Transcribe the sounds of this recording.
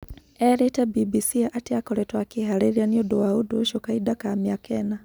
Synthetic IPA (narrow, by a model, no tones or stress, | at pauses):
ɛɾetabibisiaʔatiakɔɾɛtwakihaɾɛɾianiodɔwauduʃokaidakamiakʰɛna